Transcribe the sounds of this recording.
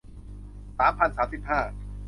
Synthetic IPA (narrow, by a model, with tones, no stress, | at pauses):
saː˩˦mpʰa˧nsaː˩˦msi˨˩p̚haː˥˩